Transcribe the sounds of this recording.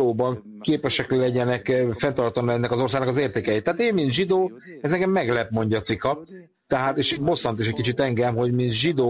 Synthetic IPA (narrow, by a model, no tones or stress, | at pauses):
oːbɒŋ | keːpɛʃɛkllɛɟɛnɛkfɛnt̪ɒrt̪ɒnːuɛnːɛkɒzo̞rsaːɡnɒkɒzeːrt̪eːkɛjeːt̪ːɛɦaːt̪eːmmint̪ʒid̪oː | ɛzɛŋɡɛmːɛɡlɛpmo̞ɲɟɒːt̪sikɒ | t̪ɛɦaːt̪eːʃbo̞sːɒnt̪eʃɛc̚ʲkit͡ʃit̪ɛŋɡɛmɦo̞ɟmint̪ʒid̪oː